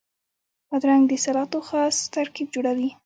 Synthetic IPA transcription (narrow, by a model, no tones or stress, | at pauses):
pɑd̪ɾaŋɡd̪əsalɑt̪oxɑst̪aɾkib̚d͡ʒoɽawi